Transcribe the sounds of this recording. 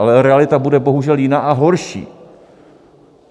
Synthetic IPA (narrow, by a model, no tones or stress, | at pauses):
alɛɾɛalɪt̪abudɛbo̞ɦuʒɛljɪnaːʔaɦo̞ɾʃḭː